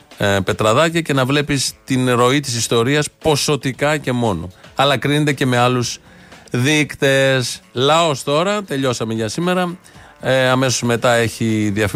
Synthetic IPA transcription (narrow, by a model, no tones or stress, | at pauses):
pe̞t̪ɾɐðɐcɐce̞nɐvle̞pist̪inɾo̞it̪isist̪o̞ɾiɐspo̞so̞t̪ikɐce̞mo̞no̞̰ɐlɐkɾinet̪ece̞me̞ɐlus | ðikt̪e̞slɐo̞st̪o̞ɾɐt̪e̞ʎo̞sɐmeʝɐsime̞ɾɐ | ɐme̞sozme̞t̪ɐe̞çiðiɐf